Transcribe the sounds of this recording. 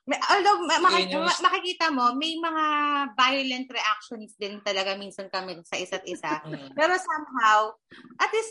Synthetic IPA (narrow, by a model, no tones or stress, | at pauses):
mɛʔoːld̪owmɐmɐkɪɐmɐkɪkiːt̪ɐmo̞mɐjmɐŋavajʊlɛnt̪̚ɾɛʔak̚ʃonsd̪ɪnt̪ɐlɐɡamiːnsɐnkɐmɛsɐʔɪsat̪̚ʔɪsapɛːɾo̞samɦawʔɐt̪lɪs